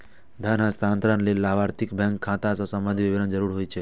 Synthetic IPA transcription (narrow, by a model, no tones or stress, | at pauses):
d̪ʱənɦãst̪ʰãnt̪ɾanlelaʋaɾt̪ʰikbʱɛ̃ŋkʰːãt̪asosəmbə̃nd̪ʱiʋibinənd͡ʒəɾuɾɦojt͡ʃʰe